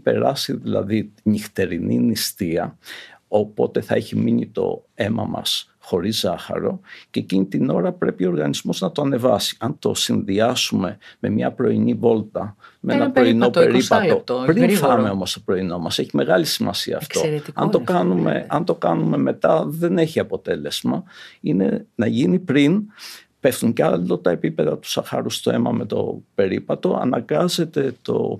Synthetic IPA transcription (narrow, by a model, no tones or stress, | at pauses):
pe̞̰ɾɐsiðilɐ̰ðiɲixt̪e̞ɾinḭnist̪iɐo̞po̞t̪e̞θɐeçimiɲit̪o̞̰e̞mɐ̰mɐ̰s | xo̞ɾizɐxɐ̰ɾo̞̰ceːcinit̪ino̞ɾɐpɾe̞pioɾɣɐnizmo̞znɐt̪oɐne̞vɐsi̥ɐnt̪o̞sinðiɐsume̞me̞mɲɐ̰pɾo̞inivo̞lt̪ɐmeenɐpɾoino̞eɾipɐt̪o̞pɾinfɐme̞o̞mo̞st̪opɾo̞ino̞mɐse̞çime̞ɣɐlisimɐsiɐ̰ːft̪o̞t̪ɐnt̪o̞kɐnume̞̰ɐnt̪o̞kɐnume̞me̞t̪ɐðe̞ne̞çiɐpo̞t̪e̞le̞z̥mɐine̞̰nɐʝinipɾin | pefθuɲcɐlot̪ɐe̞pipe̞ðɐt̪u̥sɐxɐ̰ɾust̪oe̞̰mɐ̰me̞t̪o̞̰pe̞ɾipɐt̪o̞ɐ̰nɐ̰ŋɡɐze̞t̪e̞t̪o̞̰